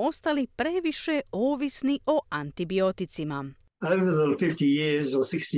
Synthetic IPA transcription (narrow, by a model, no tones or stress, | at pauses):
o̞st̪alipɾeʋiʃeoːʋisniʔoant̪ibio̞t̪it̪sima | adəzəlfiftijizɔsɪksi